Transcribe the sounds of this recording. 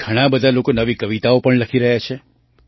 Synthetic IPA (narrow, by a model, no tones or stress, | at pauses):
ɡʱəɽ̃abəd̪ʱalokonəʋikəʋit̪aopəɳləkʰiɾəɦjat͡ʃʰe